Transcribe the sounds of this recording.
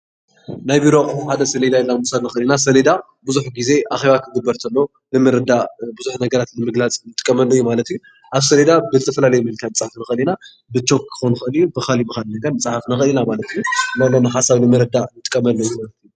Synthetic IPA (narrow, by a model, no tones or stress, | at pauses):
najbiɾokʼɐmħad̪ɐsɐled̪ajɛlːamusalnɨxɐlinas̬ɐled̪a | buzuħɡize̞ʔaxe̞βak̪ʰɨɡɨbːɐɾt̪ʰɐlːo | nɨmɨɾɨd̪abuzuħnɐɡɐɾat̪nɨmɨɡlat͡sʼnɨt̪ʼɨkʼːɐmɐlːojumalɐt̪ju | ʔaβsɐled̪abɨzɨt̪ʰɐfɐlalɐjmɨhɨlk̪ʰanɨt͡sʼħafnɨxɐlina | bɨt͡ʃːo̞kkʰːɨ̥xonuxɐɨlijubɨxalibɨxalnɐɡɐɾnɨt͡sʼħafnɨxɐlinamalɐt̪ɨjunalonɨħasaβnɨmɨɾɨd̪anɨt̪ʼɨ̥kʼːɐmɐlːojumalɐt̪ju